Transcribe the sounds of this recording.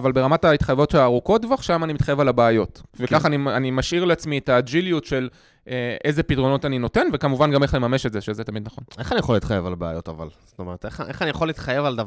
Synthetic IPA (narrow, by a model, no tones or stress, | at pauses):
avalbe̞ʁamatait̪χajvo̞tʃeaːʁuko̞t̚dvoaχʃamanimit̪χajevalabeːjo̞tvekaχanianimaʃiʁleat͡smietad͡ʒilijutʃe̞l | eʔe̞zepitʁo̞no̞tanino̞te̞nvekamuvanɡame̞χle̞mame̞ʃetzeʃezetamid̪naχo̞neχanijeχoliːt̪χajevalabea̰jo̞tava̰lz̥o̥tomeʁeteχʔeχanijaχoliːt̪χaje̞valda